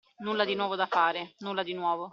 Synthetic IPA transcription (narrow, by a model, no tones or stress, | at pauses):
nulːad̪inwɔːvod̪afaːɾɪnulːad̪inwɔːvo